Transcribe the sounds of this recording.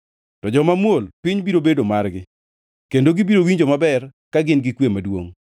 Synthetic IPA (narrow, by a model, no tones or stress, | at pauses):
tɔd͡ʒɔmamwolpɪɲbiɾobedomarɡɪ | kendoɡibiɾowiɲd͡ʒomabɛrkaɡɪnɡɪkwemadwo̰ŋ